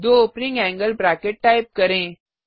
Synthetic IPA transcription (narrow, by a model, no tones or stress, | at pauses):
d̪oopnĩŋɡɛ̃ŋɡəlbɾakeʈ̚ʈaɪp̚kɐɾẽː